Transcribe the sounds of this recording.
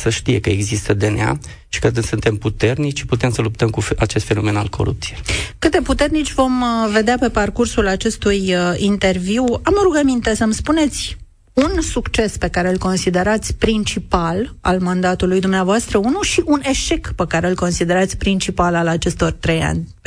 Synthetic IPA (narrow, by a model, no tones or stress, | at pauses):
səʃt̪ije̞kəeɡzist̪əd̪enḛa̰ | ʃi̥kəkɨnsɨnt̪e̞mput̪e̞rnit͡ʃʲʃi̥put̪e̞msəlup̚t̪əmkuat͡ʃe̞st̪fe̞no̞me̞na̰lkʰo̞̰ɾṵp̚t̪sijekɨt̪̚d̪e̞put̪e̞rnit͡ʃʲvo̞mve̞d̪eape̞parkursulat͡ʃe̞st̪ujint̪e̞rviwaməɾuɡəmint̪e̞səmspune̞t̪sʲ | unsukt͡ʃe̞spe̞kaɾe̞ɨlko̞nsid̪e̞ɾat̪sʲpɾint͡ʃipal | a̰lmand̪at̪ulujd̪umneavoast̪ɾəunuʃiʔune̞ʃe̞kpekaɾe̞ɨlko̞nsid̪e̞ɾat̪sʲpɾint͡ʃipalalat͡ʃe̞st̪o̞rt̪ɾeja̰nʲ